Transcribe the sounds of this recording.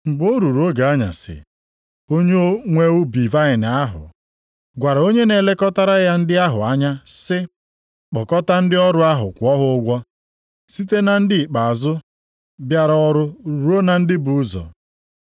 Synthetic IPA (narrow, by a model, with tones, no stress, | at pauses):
ŋ͡m̩˨ɡ͡bo˦ɾu˨ɾo˦ɡa˨a˦ɲa̰˨sɪ̰˨ | o˦ɲe˦o˦ŋʷe˦ʊ˦bi˨va˦ɪ˨n˨a˦ɦʊ̰˨ | ɡʷa˨ɾa˨o˦ɲe˦ne˨le˦kɔ˦ta˦ɾa˦ja˦n̩˦dɪ˦a˦ɦʊ˨a˦ɲa˦sɪ˦ | k͡pɔ˨kɔ˦ta˦n̩˦dɪ˦ɔ˦ɾʊ˦a˦ɦʊ˨kʷɔ˦ɦʊ˦ʊ˦ɡʷɔ˦ | si˦te˦na˨n̩˦dɪ˦i˨k͡pa˨a˨zʊ˦ | bja˦ɾa˦ɔ˦ɾʊ˦˨ɾu˨˦o˦na˨n̩˦dɪ˦bʊ˨˦zɔ̰˨